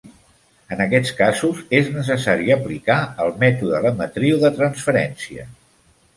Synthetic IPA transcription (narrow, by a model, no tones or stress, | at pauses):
ənəkɛt͡skazuzeznəs̬əsaɾiəplikaəlˠmɛt̪uðələmət̪ɾiwðət̪ɾənsfəɾɛnsiə̰